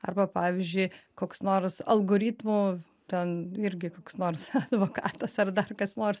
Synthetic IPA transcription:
ɐrbɐpɑːʋʲɪzʲd͡ʒʲʊɪkoːksnoːrsɐ̰lˠɡoːɾʲiːt̪muː | t̪ʲɛnɪɾʲɡʲɪkoːksnoːrsɐd̪ʋoːkɑːt̪ɐsɐrd̪ɐrkɐsnoːrs

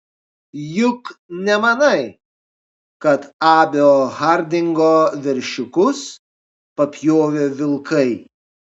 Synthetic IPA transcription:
jʊknʲɛmɐnɐɪ | kɐt̪ɑːbʲeohɐɾʲd̪ʲɪŋɡoːʋʲɛɾʲʃʲʊkʊs | pɐpʲjoːʋʲeːʋʲɪlˠkɐɪ

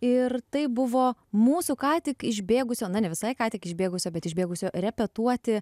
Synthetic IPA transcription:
ɪrt̪ɐɪbʊʋoːmuːsukɑːt̪ʲɪkɪʒʲbʲeːɡʊsʲoːnɐnʲɛʋʲɪsɐɪkɑːt̪ʲɪkɪʒʲbʲeːɡʊsʲoːbʲɛt̪ɪʒʲbʲeːɡʊsʲoːrʲɛpʲɛt̪uɔt̪ʲɪ

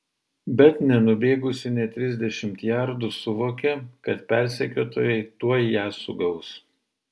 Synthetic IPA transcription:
bʲɛt̪nʲɛnʊbʲeːɡʊsʲɪnʲɛt̪ʲɾʲɪzʲd̪ʲɛʃʲɪmt̪jæɾd̪ʊsʊʋoːkʲɛkɐt̪pʲæˑɾʲsʲɛkʲoːt̪oːjɛɪt̪uɔjjæːsʊɡɐʊs

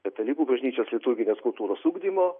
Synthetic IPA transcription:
kʲɐt̪ʲɛlʲiːkuːbɐʒʲnʲiːt͡ʃʲoːslʲɪt̪ʊɾɡʲɪnʲeːskʊlˠt̪uːɾoːsuːɡd̪ʲimoː

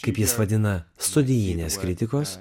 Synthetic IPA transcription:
kɐɪpjɪsʋɐd̪ʲɪnɐst̪ʊd̪ʲɪjɪnʲeːskɾʲɪt̪ʲɪkoːs

